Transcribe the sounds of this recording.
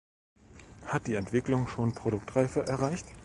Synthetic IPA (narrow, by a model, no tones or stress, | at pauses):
hat̚d̥iːɛntv̥ɪklʊŋʃoːnpʁ̥oɾʊk̚tʁaɪfəʔɛɐʁaɪçt